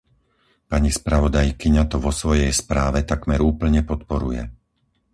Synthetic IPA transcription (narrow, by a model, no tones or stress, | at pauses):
paɲispɾaʋɔd̪ajkiɲat̪ɔʋɔsʋɔjɛjspɾaːʋɛt̪akmɛɾuːpl̩ɲɛpɔt̪pɔɾujɛ̰